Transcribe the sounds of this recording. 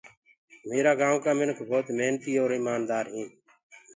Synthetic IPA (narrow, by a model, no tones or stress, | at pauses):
meːɾaːɡãːkaːmɪnkʰbʱoːt̪meɦnt̪iːoːɾɪːmaːnd̪aːɾɦĩː